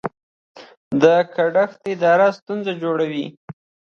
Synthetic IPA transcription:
d̪əkaɖaxt̪ɪd̪ɑɾast̪unzad͡ʒoɽawi

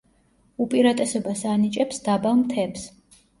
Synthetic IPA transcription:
upʼiɾat̪ʼɛsɛbasanit͡ʃʼɛpsd̪abavmt̪ʰɛps

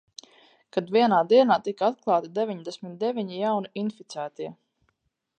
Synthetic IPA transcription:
kad̪viɛnaːd̪iɛnaːt̪ikaat̪̚klˠaːt̪id̪evʲiɲd̪ɛsʲmit̪̚d̪evʲiɲijawniʔinfit̪sæːt̪iɛ

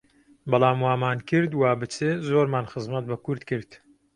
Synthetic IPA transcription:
bɑlˠaːmwaːmaːnkʰɨɾd̪waːbɨt͡sezoːɾmaːnxɨzmɐt̪̚bɐkʊɾd̪kɨɾd̪̥

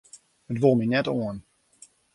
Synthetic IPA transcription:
hətʋolˠminɛtoən

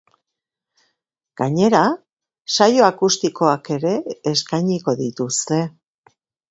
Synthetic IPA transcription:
ɡ̥aɲe̞ɾa | sajo̞akust̪iko̞ake̞ɾe̞ːskajɲiko̞ðit̪ust̪e̞

